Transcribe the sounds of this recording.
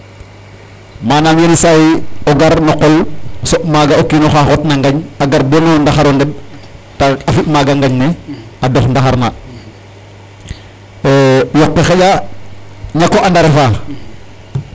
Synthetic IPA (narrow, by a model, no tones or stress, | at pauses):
maːnamjenisajoɡaɾnoqɔlsoʔmaːɡaokːiːnoxaxoːtnaŋɡaɲaɡaɾbonondaxaɾonded̚taafitmaɡaŋɡaɲne | adoxndaxaɾna | jɔk̚pexeɟa | ɲakoʔandaɾefaː